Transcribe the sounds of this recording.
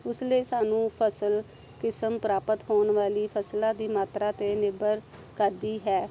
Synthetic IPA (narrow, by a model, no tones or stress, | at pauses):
ʊsleːsaːnũːpʰəsəl | kɪsəmpɾaːpət̪ɦoːnʋaːliːpʰəslãːd̪iːmaːt̪ɾaːt̪eːnɪbəɾ | kəɾd̪iːɦɛː